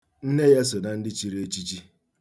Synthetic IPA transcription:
n̩˦ne˦je˦s̬o˨na˨n̩˦dɪ˦t͡ʃi˨ɾe˦t͡ʃi˦t͡ʃi˦

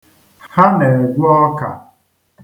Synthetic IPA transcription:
hha˦ne˨e˨ɡʷu˦ɔ˦ka̰˨

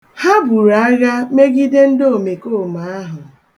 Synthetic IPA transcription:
ha˦bu˨ɾa˨a˦ɣa˦me˦ɡi˦de˦n̩˦do˦˨me˨ko˦˨ma˨a˦ɦʊ˨

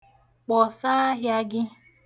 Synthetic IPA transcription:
k͡pɔ˨sa˦a˦ɦja˦ɡɪ˦

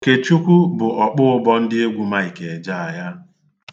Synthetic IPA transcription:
ke˨t͡ʃu˦kʷu˦bʊ˨ʔɔ˨k͡pʊ˦ʊ˦bɔ˦n̩˦dɪ˦e˦ɡʷu˦ma˦i˨ke˨e˨d͡ʒa˦˨a˨ja˦

